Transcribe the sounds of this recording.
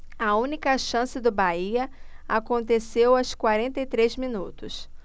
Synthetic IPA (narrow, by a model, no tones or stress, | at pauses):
ɐũnikɐʃɐ̃sɪd̪ʊbaiɐakõnt̪esewɐskwaɾẽnt̪ɐjt̪ɾezminut̪ʊs